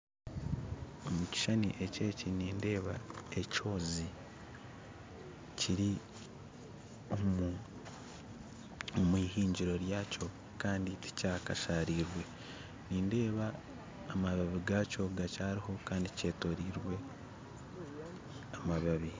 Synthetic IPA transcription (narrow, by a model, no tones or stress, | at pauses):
omuci̥ʃaniʔe̞ce̞ːciniːnde̞ːβae̞co̞ːzi | ciɾi | om | omwiːɦiːɲɟiɾo̞ɾjaːcʰo̞ | kaːnditi̥caːkaʃaɾiːɾwe̞ | niːnde̞ːβaː | maβaβiɡaːco̞ɡacaːɾiho̞kaːndice̞ːto̞ɾiːɾwe̞ | amaβaβi